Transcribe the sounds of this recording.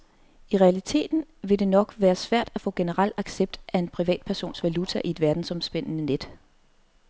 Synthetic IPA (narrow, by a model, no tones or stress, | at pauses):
iʁɛælit͡sʰe̝̰ːd̥n̩ʋe̝d̥e̝nɒ̽ɡ̥ʋæːɐsʋæɐ̰d̥æfɔ̰̽ːɡ̥e̝nəʁɑl̰ɑ̈ɡ̥seb̥̚d̥ʔæe̝npʰʁiʋɛ̰ːd̥̚pʰæɐso̝̰ːnsʋælut͡sʰæʔie̝d̥ʋæɐd̥n̩sɒ̽msb̥en̰ənəned̥